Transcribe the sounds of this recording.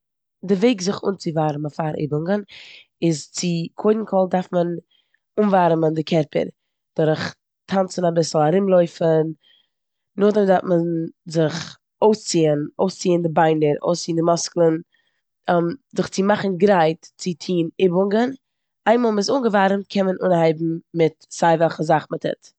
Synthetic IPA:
dɪveɪkzɪχṵːnt͡sɪvaːɾməfaɾʔɪ̰bʊŋɡən | ɪzt͡sɪkʰoɪdn̩kʰɔlˠdaɾfmən | uːnvaɾməndɪkʰɛɾpʰə̰ɾ | d̥ɔɾəχ | tʰant͡sənabɪsl̩ˠaɾɪmlˠɔɪfən | nʊχdəmdaɾtmənzɪχ | oʊst͡siːənoʊst͡siːəndɪbaɪnəɾo̰ʊst͡siːəndɪmɔsklˠən | mzɪχt͡sɪmaχn̩ɡɾaɪtt͡sɪtʰiːnɪbʊŋɡən | aɪnmɔːlˠmɪsuːnɡəvaɾmt̚kʰɛnmənʔuːnhaɪbm̩mɪtz̥aɪvɛlˠχəzaχmɪtʰɛ̰t

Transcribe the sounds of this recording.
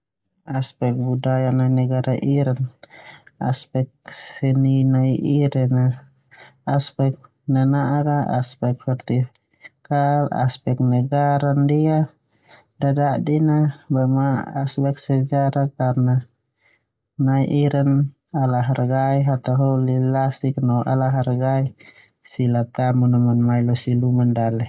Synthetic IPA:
aspɛk̚budajananɛɡaɾaʔiɾan | a̰spɛk̚sɛninaiʔiɾɛnaː | spɛk̚ | nanaʔakaa̰spɛk̚fɛrt̪i | kala̰spɛk̚nɛɡaɾandia | dadadinabamaaspɛk̚sɛd͡ʒaɾakarna | naiʔiɾan | alaɦarɡaiɦat̪aɦɔlilasik̚nɔʔa̰laɦarɡai | silat̪amunɔmanmailɔsilumandalɛ

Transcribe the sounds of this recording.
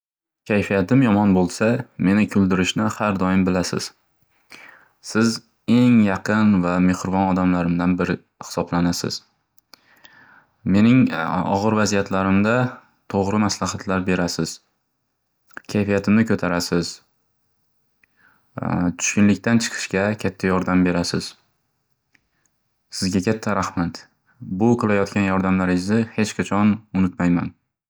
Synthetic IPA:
kʲʰajfijat̪ɪmjɒmɒnbolˠsame̞nɪkʰʊld̪ɪɾɪʃnɪhaɾd̪ɒjɪmbɪlasɪ̰z̥ | sɪz | e̞ŋjɑqʰɨnvame̞hɾvɒnɒd̪amlaɾɪmd̪anbɪɾɪ | hɪ̥sɒblanasɪ̰z̥ | me̞nɪŋɒ̰ʁɨɾvazijat̪laɾɪmd̪a | t̪ʰoʁɾɪmaslahat̪ʰlaɾbe̞ɾasɪz̥ | kʲʰajfijat̪ʰɪmnɪkʰɵt̪ʰaɾasɪz̥ | t̪ʰʊ̥ʃkʲʊnlɪk̚ʲt̪ʰant͡ʃʰɨ̥qʰɨ̥ʃkʲakʲʰat̪ʰːajɒɾd̪ambe̞ɾasɪz̥ | sɪzɡʲakʲʰat̪ʰːaɾahmat̪ | bʊqʰɨlˠajɒt̪̚kʲanjɒɾd̪amlaɾɪzɪhe̞t͡ʃqʰɑt͡ʃʰɒnʊnɪt̪majman

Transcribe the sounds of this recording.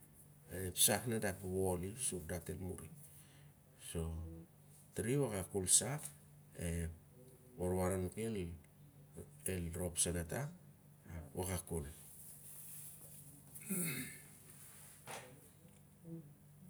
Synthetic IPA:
epsaknadapwolisuk̚datelmuɾḭ | so̞ | tɾiwakakulsak | e | woɾwaɾankel | elɾo̞psanata | wakakul

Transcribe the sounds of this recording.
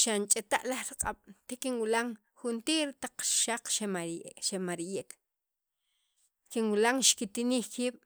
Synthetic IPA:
ʃant͡ʃʼet̪aʔlaχɾiqʼaɓ̥t̪ekinwilaŋ | xunt̪iːɾt̪aq͡χʃaq͡χʃeʃemaɾijeʔk | kinwulaŋʃkit̪iniːxkiːɓ̥

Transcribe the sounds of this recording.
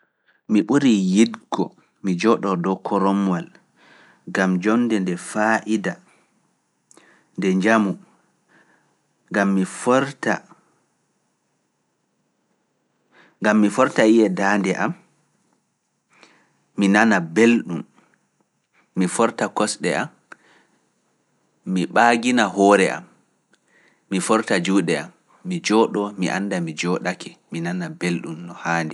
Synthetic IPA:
miɓuɾijidɡɔ̰ | mid͡ʒɔɗɔdɔkʰɔɾɔmwal | ɡamd͡ʒɔnːdɛndɛfaʔida | ndɛɲd͡ʒamu | ɡamːifɾta | ŋɡamːifɔɾtajijɛdaːndɛʔam | inanabelɗum | ifɔɾtakɔsɗɛam | iɓaɡinaɦɔːɾɛʔa̰m | ifɔɾtad͡ʒuːɗɛamː | id͡ʒɔːɗɔmiʔa̰ndamid͡ʒɔɗakɛminanabelɗumnɔhaːndɛ

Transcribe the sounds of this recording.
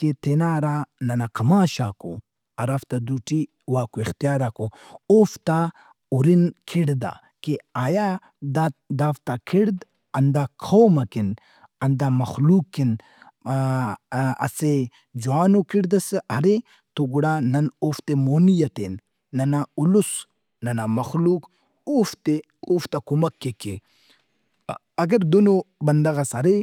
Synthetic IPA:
ket̪enaɾanɐnakʰɐmaːʃako̰ | ɐɾaft̪ad̪uʈi | waːkoixt̪ijaːɾako | oft̪a | uɾinkʰiɽd̪a̰ | keaːja | d̪ad̪aft̪akʰiɽd̪ | ɐnd̪akʰowmɐkin | ɐnd̪amɐxlukːin | ɐ̰se | d͡ʒuaːnokiɽd̪ɐsɐɾe | t̪oɡuɽaːnɐnoft̪emoːnijɐt̪enː | ɐnaʊlus | nɐnamɐxluːk | oft̪e | oːft̪ɐkumɐkːeke | ɐɡɐɾd̪onobɐnd̪ɐɣɐsɐɾe

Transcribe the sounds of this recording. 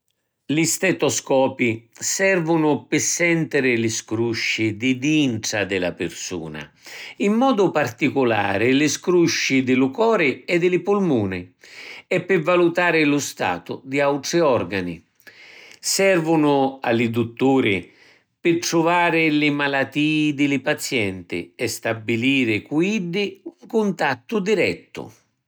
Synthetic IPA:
list̪ɛt̪ɔskɔːpisɛrvʊnʊpɪsːɛnt̪ɪɾɪlɪskɾuʃːid̪ɪd̪iɳʈ̪ɾad̪ɪla̰pɪrsṵːna̰ | imːɔːd̪ʊpart̪ikʊla̰ːɾɪlɪskɾuʃːid̪ɪlʊkɔːɾɪɛd̪ɪlɪpulmuːnɪ | ɛpːɪvːalut̪aːɾɪlʊst̪a̰ːt̪ʊ̰d̪iawt̪ɾiɔrɡani | sɛrvʊnʊa̰lːɪd̪ut̪ːuːɾɪ | pɪʈ̪ɾʊvaːɾɪlɪmalat̪ːiːd̪ɪlɪpat̪sjɛnt̪ɪ̰ɛst̪abːiliːɾɪkwiɖɪuŋkʊnt̪at̪ːʊd̪iɾɛt̪ːʊ̰

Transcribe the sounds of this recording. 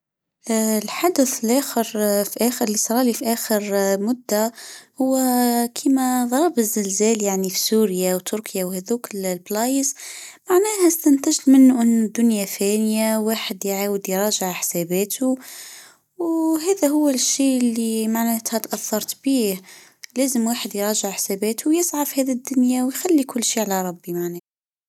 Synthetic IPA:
lħad̪əθəlʔæxəɾfiʔæxəɾlːisˤɑɾˤɑlifiʔæxəɾmʊd̪ːahʊwːkʰimæðˤɑɾˤbəzːəlzæːljaʕnifi̥suɾjawt̪ʰʊɾkʰjawhæðukllblɑjəzmaʕnæhæst̪ænt̪əʒlmənːuʔənːʊd̪ːʊnjafænjawaːħəd̪jʕaːwəd̪jɾˤɑːʒəʕħsæbæːt̪u | wɦæːðæhʊwːæʃːiːlːimaʕnæt̪hæt̪ʔæθːɑɾˤt̪biːh | læːzəmwaːħəd̪jɾˤɑːʒəʕħsæbæːt̪ʰʊwjəsˤʕafihæðid̪ːʊnjawjxælːikʊlːʃiːʕalaɾˤɑbːimaʕnæ

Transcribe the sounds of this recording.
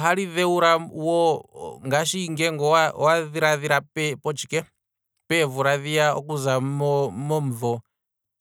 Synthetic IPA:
ɦaɺiðɛuɾawɔŋɡaʃiŋɡɛŋɡɔawaðiɾaðiɾapɛpɔt͡ʃʰi̥kɛ | pɛvuɾaðijaɔ̰kuzamɔmɔm̩vɔ

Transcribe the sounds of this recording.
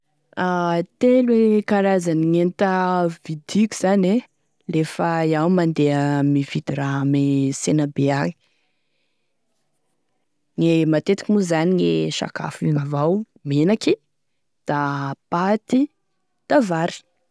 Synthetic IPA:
at̪elwekaɾazaniŋent̪əvid̪ikʲu̥z̥ane | lefəjawmand̪eəmiv̥id̪̥iɾamesenabeaŋi | ŋemat̪et̪i̥kʲimuzaniŋeʃa̰ka̰fiŋavaw | menaki | d̪̥apat̪i | d̪̥avaɾi̥

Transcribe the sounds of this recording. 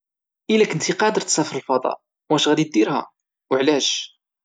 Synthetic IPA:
ʔəlækənt̪iqɑd̪əɾt̪sæfəɾəlfɑd̪ˤɑ̰ | wæʃɣæd̪it̪̚d̪iɾhæ̰ | wəʕlæʒ

